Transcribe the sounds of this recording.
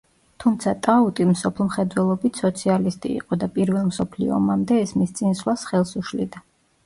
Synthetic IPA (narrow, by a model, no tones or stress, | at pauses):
t̪ʰumt̪sʰat̪ʼaut̪ʼimsɔpʰlˠmχɛd̪wɛlˠɔbit̪ʰsɔt̪sʰialist̪ʼḭːqʼɔd̪apʼiɾvɛlˠmsɔpʰlḭɔ̰mamd̪ɛːsmist̪sʼinslˠasχɛlˠsuʃlḭd̪a